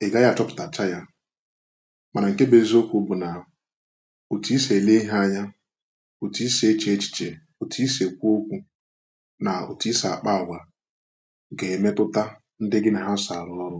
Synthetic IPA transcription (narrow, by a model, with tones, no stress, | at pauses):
e˨ɡa˦ja˦˨t͡ʃɔ˦pʊ̥˨ta˨t͡ʃa˦ja˦ | ma˨na˨ŋ̩˨ke˦be˦zo˦kʷu˦bʊ˨na˨ | o˨ti˦se˨le˦i˦ɦa˦˨ɲa˦ | o˨ti˦se˨˦t͡ʃe˨˦t͡ʃi̥˨t͡ʃe˨ | o˨tʰi˦se˨kʷu˦o˦kʷu˦ | na˨o̰˨ti˦sa˨a˨k͡pa˦˨ɡʷa˨ | ɡe˨me˦tʊ˦ta˦ | n̩˦dɪ˦ɡɪ˦na˨ɦa˦sa˨ɾʊ˦ɔ˦ɾʊ˦